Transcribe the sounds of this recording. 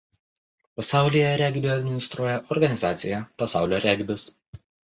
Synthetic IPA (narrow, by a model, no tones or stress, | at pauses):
pɐsɑˑʊlʲɪjɛɾʲɛɡʲbʲɪɐd̪ʲmʲɪnʲɪst̪ɾuɔjɛʔɔɾɡɐnʲɪzɑːt̪sʲɪjɛpɐsɑˑʊlʲoːɾʲɛɡʲbʲɪs